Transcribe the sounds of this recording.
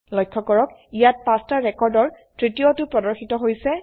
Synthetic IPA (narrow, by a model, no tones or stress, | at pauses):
lɔjkʰːɔkɔɹɔkijat̚pãstaɹɛkɔɹdɔɹ | tɹitijotʊpɹɔdɔɹxitɔɦojsɛ